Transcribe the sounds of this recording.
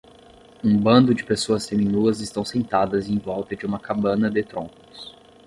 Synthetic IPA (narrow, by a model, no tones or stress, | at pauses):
ũbɐ̃nd̪ʊd͡ʒɪpesoɐsfemĩnuɐzɪst̪ɐ̃w̃sẽnt̪ad̪ɐzẽj̃vɔwt̪ɐd͡ʒɪũmɐkabɐ̃nɐd̪ɪt̪ɾõkʊs